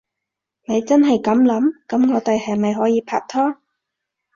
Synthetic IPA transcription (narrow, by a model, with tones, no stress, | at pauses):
ne˨˧jt͡sɐ˥nɦɐ˨jkɐ˨˥mlɐ˨˥mkɐ˨˥mŋɔː˨˧t̪e˨jhɐ˨jmɐ˨jɦɔː˨˥jiː˨˧pʰa̰ː˧k̚t̪ʰɔː˥